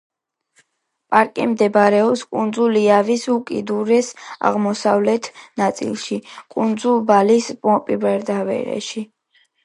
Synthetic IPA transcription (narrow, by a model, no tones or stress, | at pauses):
pʼaɾkʼimd̪ɛbaɾɛɔpskʼund̪zuliavisukʼid̪uɾɛsa̰ʁmɔsavlɛt̪ʰnat̪sʼḭlˠʃikʼund̪zulˠbalispʼɔpʼibɛɾd̪avɛ̰ɾɛ̰ʃi